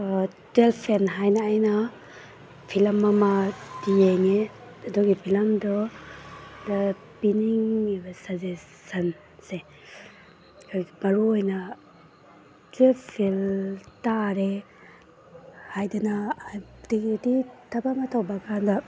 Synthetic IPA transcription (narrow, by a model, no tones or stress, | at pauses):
twelpʰenɦajnaːjnɐ | pʰilɐmːamadieŋe | ɐduɡipʰilɐmdɔ | dɐ | piniŋibɐsaze | sɐn | se | kʰmɐɾuojnɐ | tepʰiltaɾe | hajdana | dikititʰɐbamɐtʰawbakʰanda